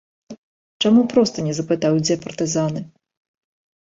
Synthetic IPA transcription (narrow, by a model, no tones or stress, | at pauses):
t͡ʂamupɾɔst̪ɐnʲɛzɐpɨt̪awd͡zʲɛpɐrt̪ɨzanɨ